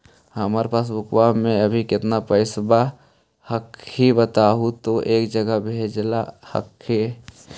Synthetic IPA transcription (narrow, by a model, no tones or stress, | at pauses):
həmaːɾepaːs̬bʊkʰwamẽɐbʱikɪt̪napəɪsba | həkːhibət̪aːɦut̪oʔeːkd͡ʒəɡəbʱeːd͡ʒlahə̰kʰːe